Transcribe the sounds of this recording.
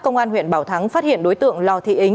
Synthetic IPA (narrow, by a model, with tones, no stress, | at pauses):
kə˧wŋ͡mʔaː˧nɦwḭ˧˨ənɓaː˧˩wt̪ʰa˨˦ŋfaː˦˥t̚hḭ˧˨ənɗo˨˦jt̪ɨ̰˧˨əŋlɔ˨˩t̪ʰḭ˧˨ʔi˨˦ŋ